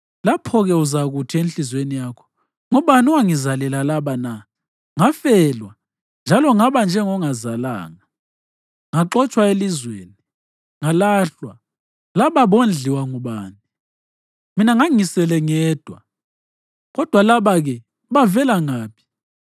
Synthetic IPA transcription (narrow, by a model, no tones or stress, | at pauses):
lapʰɔɣɛuzaɣutʰienɬizwenijaːkʰɔ̥ | ŋɔɓanuwaŋizalɛlalaβana | ŋafɛlwa | nd͡ʒʱalɔŋaβand͡ʒʱɛŋɔŋazala̰ːŋa | ŋaǁɔt͡ʃʼwaelizweːni | ŋalaɬwa | laβaβond͡ɮʱiwaŋuɓaːni | minaŋaŋisɛlɛŋɛːd̥ʱwa̰ | ɣɔd̥ʱwalaβaɣɛ | βavɛlaŋaːpʰi̥